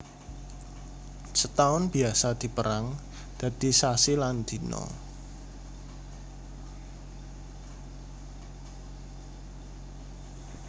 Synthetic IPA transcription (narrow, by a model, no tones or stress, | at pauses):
sət̪aʊnb̥i̤asad̪̥i̤pəɾaŋ | d̪̥ä̤d̪̥isasiland̪inɔ̰